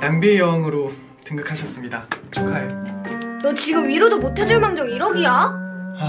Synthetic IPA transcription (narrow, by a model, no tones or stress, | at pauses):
nambijʌŋɯɾo | tɯŋɡɯkʰaɕʰʌs͈ɯmɲidat͡ɕʰokʰaenʌt͡ɕiɡɯmɥiɾodomotʰed͡ʑuɭmaŋd͡ʑʌŋiɾʌɡia